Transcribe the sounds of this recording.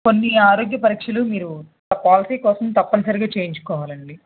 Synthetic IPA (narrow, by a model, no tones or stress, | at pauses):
ko̞nːiaːɾoːɡjɐpɐɾiːkʂɐlumiːɾu | t̪ɐpːaaːlɐsiːkɔːsɐmt̪ɐpːɐnɐsɐɾiɡaːt͡ʃe̞ːjɲt͡ʃu̥kɔːʋaːlɐɳɖi